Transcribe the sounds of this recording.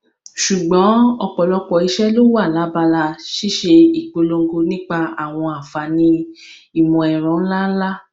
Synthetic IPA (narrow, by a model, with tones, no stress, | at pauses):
ʃu˨ɡ͡bɔ̃˨˦ɔ˧k͡pɔ˨lɔ˧k͡pɔ˨i˧ʃɛ˦lo˦wo˦a˦˨la˨˦ba˧la˧ʃi˦ʃe˧i˨k͡po˨˧lo˧ŋ̩˦ɡo˧nĩ˦k͡pa˧a˦˨w̃ɔ̃˧a˨fa˨nĩ˧˦ | i˦˨mɔ̃˨ɛ˨ɾ̃ɔ̃˨˦n̩˦la˦n̩˦la˦